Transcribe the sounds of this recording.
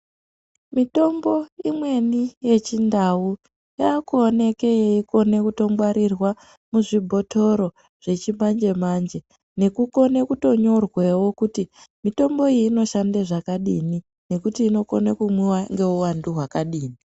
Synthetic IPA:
mito̞mbo̞imwe̞nije̞t͡ʃindawu | jaːkuone̞ke̞jeiko̞ne̞kuto̞ŋɡwaɾirwa | muʐibʱo̞tʰo̞ɾo̞ | ʐ̥e̞t͡ʃimand͡ʒe̞mand͡ʒe̞ | ne̞kuko̞ne̞kuto̞ɲo̞rwe̞wo̞kutimito̞mbo̞iːno̞ʃandeʐakaɗini | ne̞kutiːno̞konekumwiwaŋɡe̞uwanduɦwakaɗiːni

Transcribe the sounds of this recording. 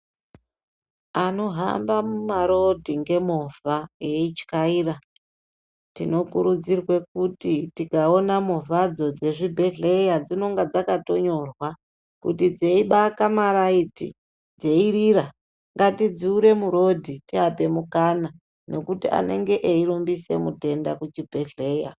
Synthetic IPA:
ano̞ɦa̰mbamumaɾo̞dʱiŋɡe̞movaeit͡ʃi̥kaiːra | tḭno̞kuɾud͡zirwe̞k̚utitikao̞namovad͡zo̞d͡ze̞ʐibʱe̞ɮe̞jad͡zino̞ŋɡad͡zakato̞ɲo̞rwa | kṵtid͡ze̞iɓakamaɾaitḭ | d͡zeiɾiɾa | ŋɡatid͡ziuɾe̞muɾo̞dʱitiape̞mukana | no̞kutia̰ne̞̰ŋɡe̞ʔeiɾumbise̞̰mute̞nda̰kut͡ʃibʱe̞ɮe̞ːja̰

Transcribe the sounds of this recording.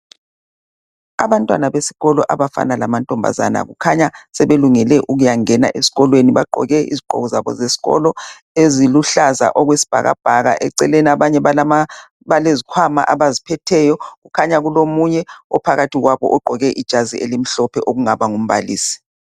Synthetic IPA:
a̰βantʼwanaβesi̥ɣɔlɔʔaβafa̰nalamantʼɔmbʱa̰za̰na̰ɣukʰaɲasɛβeluŋɛlɛʔuɣujaŋɛna̰ʔesi̥ɣɔlweniβaɡ͡ǃʱɔ̰ɣɛḭziɡ͡ǃʱɔ̰ɣɔzaβɔ̰zesi̥ɣɔ̰lɔ | eziluɬaza̰ʔɔɣwesi̥b̥ʱa̰ɣa̰b̥ʱaɣaʔɛǀɛlɛnaβaɲɛ | βalezikʰwama̰ʔaβazipʰɛtʰɛjɔɣukʰaɲaɣulomuɲɛɔpʰaɣatʰiɣwaβɔ̰ʔɔɡ͡ǃʱɔɣɛʔid̥ʒ̥ʱaziʔelim̩ɬɔpʰɛʔoɣuŋaβaŋum̩βa̰lḭːsi̥

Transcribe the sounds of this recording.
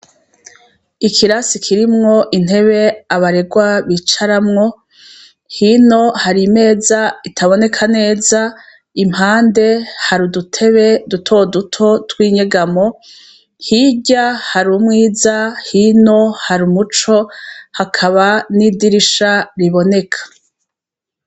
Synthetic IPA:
ikʰiɾasikʰiɾimŋo̞ʔin̥he̞βe̞aβaɾe̞ɡwaβit͡ʃaɾamŋo̞ | hino̞haɾime̞ːzaitʰaβo̞ne̞kʰane̞ːza | im̥haːnde̞haɾudutʰe̞βe̞dutʰo̞dutʰo̞twiːɲe̞ɡamo̞ | hiɟahaɾumŋiːzahino̞haɾumut͡ʃo̞hakʰaβanidiɾiʃaɾiβo̞ne̞kʰḁ

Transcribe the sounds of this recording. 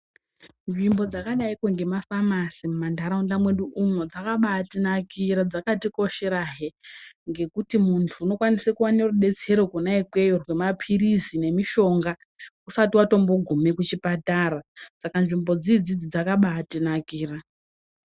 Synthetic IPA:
nʐimbo̞d͡zakaɗaikwoŋɡe̞mafamasimumandaɾaundamwe̞ɗuʔumod͡zakaɓatinakiɾad͡zakatikoʃeɾaɦeŋɡe̞kutimuntʰuːno̞kwanisekuwaneruɗe̞t͡se̞ɾokunaikwe̞jorwe̞mapʰirisine̞miʃo̞ŋɡa | usatiwato̞mbo̞ɡʱumekut͡ʃipataːɾasakanʐimbo̞d͡zid͡zid͡zid͡zakaɓatinakiːra

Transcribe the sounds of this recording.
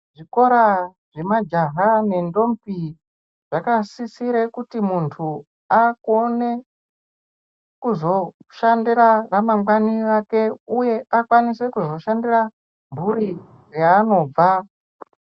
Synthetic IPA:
ʐiko̞ɾaʐemad͡ʒaɦane̞ndo̞mpi | ʐ̥akasisiɾekutimuntʰu | akone | kuzo̞ʃandiɾaramaŋwaniʋake̞uje̞ʔakwanise̞kuzo̞ʃandira | mburi | raːno̞b͡va

